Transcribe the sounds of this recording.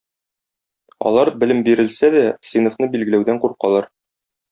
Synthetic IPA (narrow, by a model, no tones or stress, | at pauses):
ɒ̰lˠɑɾbɘ̆lɘmbiɾɘ̆lsæd̪æsinofnɤbilɡɘ̆læwd̪æɴquɾqɑlˠɑɾ